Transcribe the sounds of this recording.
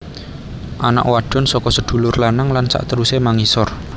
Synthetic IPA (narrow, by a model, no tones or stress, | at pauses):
ʔana̰ʔwaɖ̥ɔ̤nsɔkɔsəd̪̥ṳlʊrlanaŋlansa̰ʔt̪əɾusemaŋisɔr